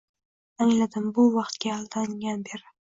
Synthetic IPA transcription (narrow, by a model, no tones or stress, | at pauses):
aŋlad̪ɪmbʊvɑqt̪ɡʲaːlˠd̪aŋʲanbeɾɪ